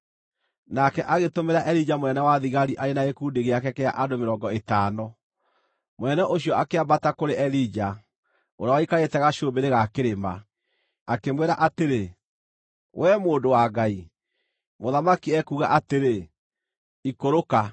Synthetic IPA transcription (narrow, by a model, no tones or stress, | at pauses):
nakɛʔaɣetomeɾaʔɛɾid͡ʒamwɛnɛwaðiɣaɾiʔaɾenaekuːndeɣeakɛkɛa̰ʔandomeɾɔːŋɡɔetaːnɔ | mwɛnɛʔoɕjɔakeabatakoɾeʔɛɾid͡ʒa | oɾawaikaetɛɣaʃobeɾeɣakeɾema | akemweɾaʔateɾe | wʔɛmoːndowaɡai | moðamakiɛkuɣa̰ʔateɾe | ikoɾoka